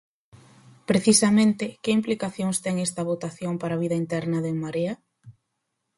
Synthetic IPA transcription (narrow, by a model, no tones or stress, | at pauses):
pɾeθisɐmẽnt̪ɪkɪimplikaθjoŋst̪ɛŋɛst̪ɐβot̪aθjoŋpaɾaːβiðɐint̪ɛɾnɐðemaɾeɐ